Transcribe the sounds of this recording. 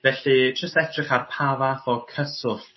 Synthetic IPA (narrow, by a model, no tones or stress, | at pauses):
vɛɬidrəstɛtʰrɪχarpʰavaθɔkʰəsʊf